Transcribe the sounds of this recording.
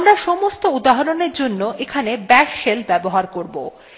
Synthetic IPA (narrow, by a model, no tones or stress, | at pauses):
mɾaʃɔmost̪oud̪aɦoɾoneɾd͡ʑonːoʔekʰanebɛʃʃelbɛboɦaɾkoɾbo